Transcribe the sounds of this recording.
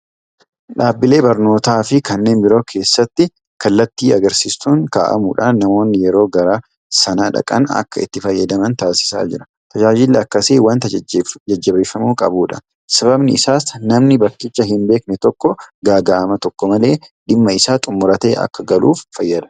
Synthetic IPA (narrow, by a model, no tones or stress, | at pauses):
ᶑaːbːɪle̞ːbɐɾno̞ːt̪aːfɪkɐnːe̞ːnbɪɾo̞ːkʰe̞ːsːɐt̪ːɪ | kɐlːɐt̪ːiːɐɡɐɾsiːst̪uːŋkaːʔɐ̰muːᶑa̰ːnːɐmo̞ːnːɪjɛɾo̞ːɡɐɾɐ | sɐnaːᶑɐ̰kʼɐ̰nɐ̰kːɐɪ̰t̪ːɪfɐjːɐd̪ɐmɐnt̪aːsɪ̥sa̰ːd͡ʒɪɾɐ̥ | t̪ɐd͡ʒaːd͡ʒɪlːɛɐkːɐseːwɐnt̪d͡ʒɛd͡ʒːɐbeːfːɐmuːkʼɐ̰buːᶑɐ | sɐβɐbnɪɪsaːsnɐmnɪbɐkːɪt͡ʃːɐɦɪmbe̞ːknɛt̪ɔkːɔɡaːɡaʔɐmɐt̪ɔkːɔmɐle̞ːᶑɪmːɐɪsaːt̪ʼʊmːʊɾɐt̪ɐ̰ʔɐ̰kːɐɡɐlṵːfːɐjːɐd̪ɐ̥